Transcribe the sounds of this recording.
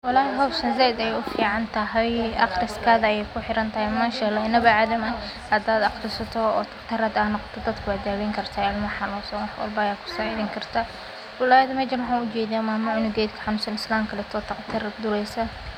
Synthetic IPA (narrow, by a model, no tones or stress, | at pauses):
wɑlɑːɦɪɦɐwʃɐnzɛːɪd̪ɛjɛjʊfiːʕɑnt̪ʰɐɦɛjɑqɾɪskʰaːðɐɛjɛjkʰʊħɪɾɐnt̪ʰɐhɛjmɐʃɛːlɔɪnɐβɐʕaðɐmɐ | hɐd̪aːd̪ɑqɾɪsɐt̪ʰɔɔ̰ːt̪ʰɐqt̪ʰɐɾɐd̪aːnːɔqɔ̥t̪ʰɔd̪ɐd̪kʰʊaːd̪aːwɛŋkʰɐrt̪ʰaɪlmɐħɑlɔːsɔnwɑħwɐ̰lbɐjaːkʰʊ̥saɪðɪŋkʰɐrt̪ʰa | wɐlaːjɐd̪ʊmɛːd͡ʒɐnwħãːnʊt͡ʃɛːðiamaːmʊʕʊnɪɡɛːd̪kʰɐ̥ħɑnʊsɐnɪslaːmkʰɐlɛt̪ʰɔːt̪ʰɐqt̪ʰɐrd̪ʊɾɛjsɐ